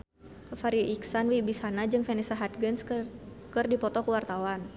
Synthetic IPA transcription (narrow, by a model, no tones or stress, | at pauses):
faɾiʔiksanwibishanad͡ʒɨŋfɛnɛsaɦat̪̚ɡəns | kɨrdipɔt̪ɔkəwart̪awan